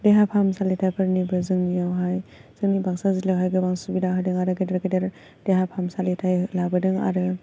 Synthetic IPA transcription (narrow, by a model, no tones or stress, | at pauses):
deɦapʰamsalitʰajpʰɐɾnibɐzɯŋnijawɦajz̥ɯŋnibaŋsazilawɦajɡɯbaŋsubidaɦadɯŋaɾɯɡɯdeɾɡɯdeɾ | d̥eɦapʰamsalitʰajlabɐdɯŋa̰ɾɯ